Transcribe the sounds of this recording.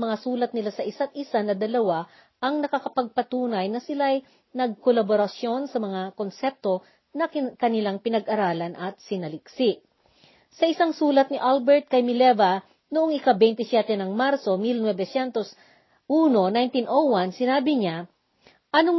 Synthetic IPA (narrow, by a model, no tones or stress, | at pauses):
mɐŋasuːlɐt̪̚nɪlasɐʔɪsat̪̚ʔɪsanɐd̪ɐlɐwa | ʔɐŋnɐkɐkɐpɐɡ̚pɐt̪uːnɐjnɐsɪlaj | nɐɡ̚kolɐboɾɐsjo̞nsɐmɐŋakonsɛp̚t̪o̞ | nɐkɐnɪlaŋpɪnɐɡʔɐɾaːlɐnʔɐt̪̚sɪnɐlɪksɪʔ | sɐʔɪsaŋsuːlɐt̪̚nɪʔalbɛɹt̪̚kɐjmɪlɛvɐ | nʊʔoŋɪkabɛjnt̪ɪsjɛt̪ɛnɐŋmaɾso̞milnwɛbɛsɛnt̪o̞s | ʔuːno̞najnt̪inʔowansɪnaːbɪɲa | ʔɐno